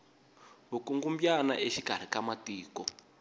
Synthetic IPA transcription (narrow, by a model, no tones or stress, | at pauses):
βukuŋɡumbjana̰ʔeʃiɡ̥ʱar̤ikamatiːkɔ